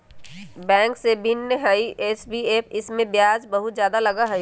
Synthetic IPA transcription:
bɛ̃ːŋksebʱɪnːəɦaiʔeːsbieːpɪsmẽbjaːd͡ʒbɐɦʊt̪zjaːd̪alɐɡaɦɛj

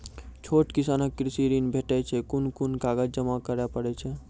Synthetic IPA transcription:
t͡ʃʰoʈkisanəkːɾisiɾinbʱeʈɛt͡ʃʰɛkunkunkaɡəd͡ʒd͡ʒəmakəɾapəɽɛt͡ʃʰɛ

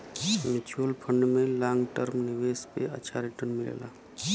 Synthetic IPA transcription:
mɪt͡ʃuəlpʰə̃ɳɖmẽlãːŋɡʈəɾmnɪʋeːspeə̰tːʃʰaɾiʈənmɪlḛːla̰ː

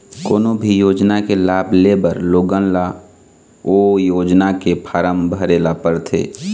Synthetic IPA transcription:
ko̰ːnobʱijoːd͡ʒnakelaːblebəɾloːɡənla | ojoːd͡ʒnakepʰaːɾəmbʱəɾeːlapəɾt̪ʰḛː

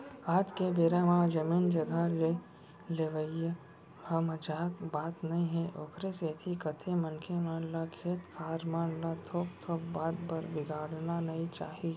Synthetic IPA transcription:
aːd͡ʒ̪kebeːɾaʋãːd͡ʒɐmiːnd͡ʒɐɡʱale | leːʋəije | hɐmɐd͡ʒaːkbaːt̪nɐĩɦɛ̃ʔoːkʰɾeset̪ʰikɐt̪ʰemɐnkʰemaːnlakʰeːt̪kʰaːɾmaːnlat̪ʰoːk̚t̪ʰoːk̚baːd̪bɐɾbɪɡaːɽnanɐĩt͡ʃaːɦi

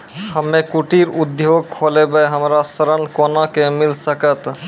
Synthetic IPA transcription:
həmːekuʈiɾud̪joɡ̚kʰːolebəjɦəmɾasəɾənkonakemilsəkət̪

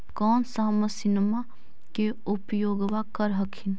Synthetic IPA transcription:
kɔːnsaːməsinma | ke | upjoːɡʋakəɾɦəkʰin

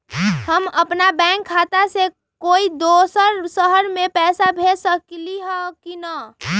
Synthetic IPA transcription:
həməpnabɛ̃ːŋkʰːaːt̪ase | koːid̪oːsəɾsəɦəɾmẽpɛːsabʱeːsəkliɦɛkina

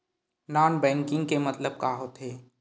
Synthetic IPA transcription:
naːnbɛ̃ːŋkɪ̃ŋɡ̚kemɐt̪ləb̚kaːɦot̪ɦeː

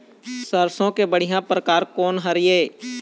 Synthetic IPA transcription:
səɾsõkebəɽ̤ɪjãpɾəkaːɾkɔːnɦəɾɪjeː

